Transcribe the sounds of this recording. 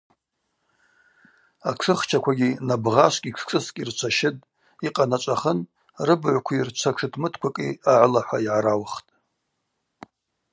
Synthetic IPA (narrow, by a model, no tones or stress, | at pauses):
aʈ͡ʂʰɨχt͡ʃʰakʷʰaɡʲinabʁaʃʷkʲʼiʈ͡ʂʰkʰʼɨskʲʼirt͡ʃʷʰaʃɪtʼ | iqʼanat͡ʃʷʼaχən | rɨbʕʷkʷʰirt͡ʃʷʰaʈ͡ʂʰɨtʰmɨtʰkʷakʼḭaʕʷlaħʷaiʕaɾawχtʼ